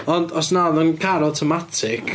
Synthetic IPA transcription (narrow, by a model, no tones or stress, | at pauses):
ɔndɔsnaðənkʰaɾɔwtʰɔmatʰɪkʰ